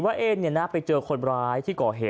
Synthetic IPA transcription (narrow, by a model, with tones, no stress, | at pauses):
waː˥˩ʔeː˧nːi˥˩ɐnaː˥˩pa˧jt͡ɕɤː˧kʰo˧nɾaː˦˧˥jt̪ʰiː˥˩kɔː˨˩ɦeː˨˦